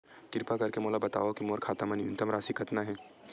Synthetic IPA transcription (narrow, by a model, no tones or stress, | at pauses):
kɪɾpakɐɾkemoːlabɐt̪a̰ːʋokimoːɾkʰaːt̪əmənjʊ̰nt̪əmɾaːsikʰɐt̪naɦɛː